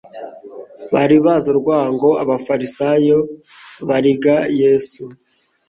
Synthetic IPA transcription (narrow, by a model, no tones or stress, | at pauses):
βaɾiβazoɾɡwaːŋɡo̞aβafaɾisajo | βaɾiɡajesu